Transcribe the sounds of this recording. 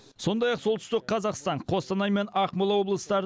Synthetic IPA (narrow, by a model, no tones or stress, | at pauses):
so̞nd̪ɑjɑqsolˠt̪ʰʏ̥st̪ɪq̚qʰɑzɑqst̪ɑɴqʰo̞st̪ɑnɑjme̞nɑqmolˠɑwo̞blˠəsət̪ɑɾ